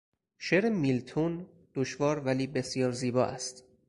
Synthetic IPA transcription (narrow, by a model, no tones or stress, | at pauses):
ʃeɾemilt̪ʰun | d̪̥oʃvɒːɾvæliːbe̞sjɒːɾziːbɒːʔæst̪